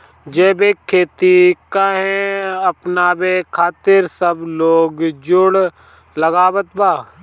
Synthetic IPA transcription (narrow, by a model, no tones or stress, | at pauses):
d͡ʒɛːbekʰːeːt̪ikaɦɛ̃ɐpnaːbekʰaːt̪ɪɾsəbloːɡd͡ʒʊɽ | ləɡaːbət̪baː